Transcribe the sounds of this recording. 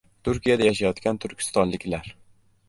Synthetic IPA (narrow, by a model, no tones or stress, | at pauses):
t̪ʰʊɾkʲijad̪ajaʃ̬ajɒt̪kʲant̪ʰʊɾkʲʰɪ̥st̪ɒnlɪkʲlaɾ